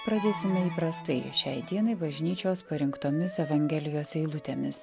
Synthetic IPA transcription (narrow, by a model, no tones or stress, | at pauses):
pɾɐd̪ʲeːsʲɪmʲɛiːpɾɐst̪ɐɪʃʲɛɪd̪ʲiɛnɐɪbɐʒʲnʲiːt͡ʃʲoːspɐɾʲɪŋkt̪oːmʲɪsɛʋɐŋʲɡʲɛlʲɪjoːsɛɪlˠʊt̪ʲeːmʲɪs